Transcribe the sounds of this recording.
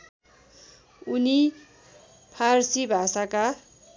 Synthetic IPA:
uni | pʰarsibʱasaka

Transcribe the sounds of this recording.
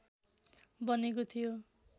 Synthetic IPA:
bʌnekot̪ʰijo

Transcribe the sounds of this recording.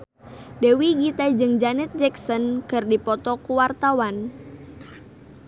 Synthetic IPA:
dewiɡit̪ad͡ʒɨŋd͡ʒanɛt̪̚d͡ʒɛksɔnkɨrdipɔt̪ɔkuwart̪awan

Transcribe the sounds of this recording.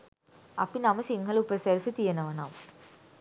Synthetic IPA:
ɐpːinɐmɐsiŋɡɐɭupːɐsɐɾsɯt̪ijɐnɐʋɐna̰ːm

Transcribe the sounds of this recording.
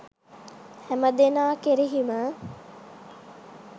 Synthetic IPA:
hæməd̪enaːkeɾiɦimə

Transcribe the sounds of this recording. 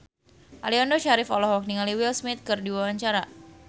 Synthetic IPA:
ʔa̰liɔndɔʃaɾifɔ̰lɔhwak̚niŋaliwilsmɪt̪̚kərdiwawaɲt͡ʃaɾa

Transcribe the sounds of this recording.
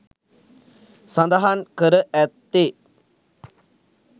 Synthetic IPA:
sãnd̪aɦankəɾəʔæt̪ːe

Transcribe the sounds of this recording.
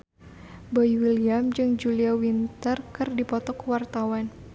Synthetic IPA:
bɔjwiliamd͡ʒɨŋd͡ʒuliawint̪ərkɨrdipɔt̪ɔkwart̪awan

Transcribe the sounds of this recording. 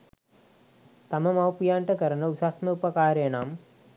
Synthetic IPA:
t̪ɐmɐmɐwpjaːɳʈɐkɐɾɐnɐusaːsmɐupɐkaːɾeːnaːm

